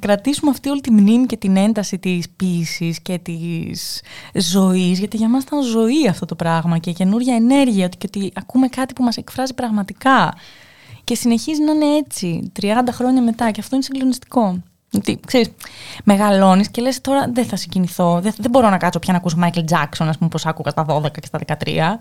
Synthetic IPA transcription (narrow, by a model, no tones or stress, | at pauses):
kɾɐt̪isumeɐft̪io̞lit̪imnimice̞t̪ine̞nd̪ɐsit̪ispisisce̞t̪iszo̞izʝɐt̪iʝɐmɐst̪ɐnzo̞iɐft̪o̞t̪o̞pɾɐɣmɐcece̞nuɾʝɐene̞ɾʝiɐt̪u̥ceot̪iɐkume̞kɐt̪ipumɐse̞kfɾɐzipɾɐɣmɐt̪ikɐ | ce̞sine̞çiznɐɐne̞e̞t͡sit̪ɾiɐnd̪ɐxɾo̞ɲɐme̞t̪ɐceɐft̪o̞inesiŋɡlo̞nist̪i̥ko̞ | ot̪ikse̞ɾisme̞ɣɐlo̞nisce̞le̞st̪o̞ɾɐðeθɐsiɲɟiniθo̞ðeðebo̞ɾo̞nɐkɐso̞pçɐnɐkus̬omɐjkeld͡zɐkso̞nɐspumepo̞sɐkuɣɐst̪ɐðo̞ðe̞kɐce̞st̪ɐðe̞kɐt̪ɾḭɐ